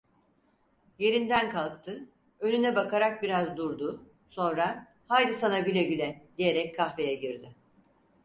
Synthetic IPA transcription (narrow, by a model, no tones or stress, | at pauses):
je̞ɾind̪ænkʰalˠkt̪ʰɯ | ønynɛbakʰaɾak̚biɾazd̪uɾd̪ʊ | so̞nɾa | hajd̪ɯsanaɟylʲɛɟylʲɛd̪ije̞ɾɛckʰːaxve̞jɛɟiɾd̪ɪ